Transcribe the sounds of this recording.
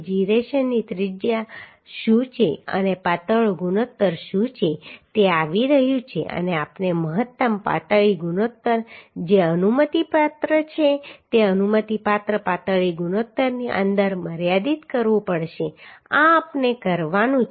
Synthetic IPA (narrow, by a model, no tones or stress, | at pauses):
d͡ʒiɾeʃənːit̪ɾɪd͡ʒja | ʃũt͡ʃʰeə̰nepat̪əɭɡunot̪ːəɾʃũt͡ʃʰet̪eaʋiɾəɦjũt͡ʃʰḛʔə̰neapneməɦət̪ːəmpa̰t̪əɭiɡunot̪ːəɾd͡ʒeənumət̪ipat̪ɾət͡ʃʰet̪eənumət̪ipat̪ɾəpat̪əɭiɡunot̪ːəɾniʔə̰̃nd̪əɾməɾjad̪it̪kəɾʋũpəɽʃeãpnekəɾʋanũ